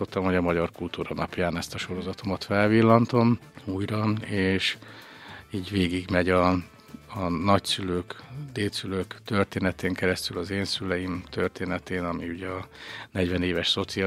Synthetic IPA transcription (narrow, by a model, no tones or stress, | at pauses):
ot̪ːɒmho̞ɟɒmɒɟɒrkult̪uːɾɒnɒ̰pjaːnɛst̪ɒʃo̞ɾo̞zɒt̪omɒt̪fɛlvilːɒnt̪o̞m | uːjrɒeːʃ | iːɟʋeːɡiɡmɛɟɒː | nɒcsyløːkd̪eːlsyløːkt̪ørt̪eːnɛt̪eːŋkɛɾɛst̪ylɒzeːnsylɛjimt̪ørt̪eːnɛt̪eːnɒmiuɟɛɒnɛɟʋɛneːvɛʃso̞t̪si